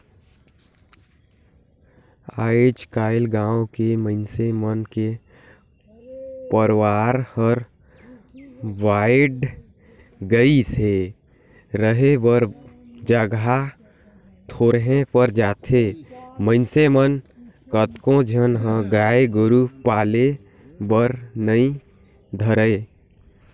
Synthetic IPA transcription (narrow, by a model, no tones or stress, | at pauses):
aːed͡ʒkaːɪlɡãːõkeməɪnsemənke | pəɾwaːɾhəɾ | waːɪɖ | ɡəise | ɾəɦebəɾ | d͡ʒəɡa | t̪ʰoːɾɦẽpəɾd͡ʒaːt̪ʰeməɪnsemənkət̪kõd͡ʒʱənɦə̃ɡaːeɡʊɾupaːle | bəɾnəĩ | d̪ʱəɾəe